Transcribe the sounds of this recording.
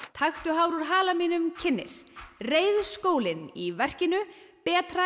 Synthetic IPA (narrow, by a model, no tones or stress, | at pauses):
t̪ʰaxt̪ʏɦawɾuɾ̥ɦaːlamiːnʏmcʰɪnːɪ̰ɾ̥reːjðskoːwlɪnivɛr̥cɪnʏpɛːt̪ɾa